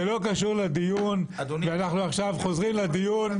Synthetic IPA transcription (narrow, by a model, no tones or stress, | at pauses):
elo̞kaʃuʁlad̪ijunveanaχnuaχʃavχo̞zʁimlad̪ijun